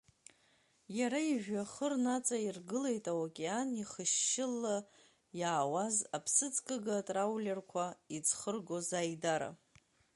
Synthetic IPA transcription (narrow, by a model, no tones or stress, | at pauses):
jaɾaiʒᶣaχərnat͡sʼairɡɨle̞jtʼawakʲʼeaniχəʃːɪlːa | jaːwazapʰsɨt͡sʰʼkʼaɡatʼrawlʲerkʷʰaid͡zʰχərɡo̞zajdaɾa̰